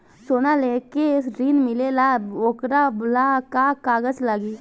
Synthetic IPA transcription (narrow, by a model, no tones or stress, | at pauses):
soːnalekesɾiːnmɪlelaokɾablakakaːɡəd͡ʒlaɡiː